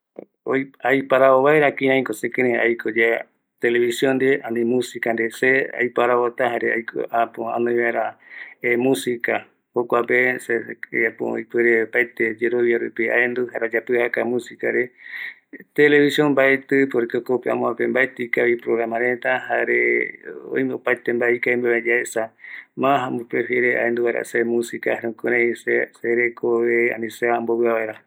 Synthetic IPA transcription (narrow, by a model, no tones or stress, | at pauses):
oajpaɾaoβaeɾakĩãj̃kosekẽɾẽa̰jkʰod͡ʒe | t̪eleβisjond̪eanĩmũsikand̪esea̰jpaɾaβot̪aɦaɾeajkʰo̰apoã̰nõj̃βaeɾaemũsika | hokʷapeseapo̰jpeɾepaet̪ed͡ʒeɾoβjaɾupia̰end̪uhaɾeod͡ʒapɨhakamũsikaɾe | t̪ele̞βisiombaet̪ɨpoɾekeokopeã̰mõãpembaet̪ikaβipɾoɣɾamãɾẽt̪ahaɾeo̰jmẽopajt̪embaikaĩmbaβed͡ʒaesamãɦamopɾefjeɾeʔa̰end̪uβaeɾa̰semũsikahaɾeõkuɾẽseseɾekʰoβea̰nĩseamboβɨaβaeɾa